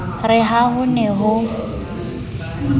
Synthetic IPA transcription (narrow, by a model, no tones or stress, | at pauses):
rɪɦaɦʊnɛɦʊ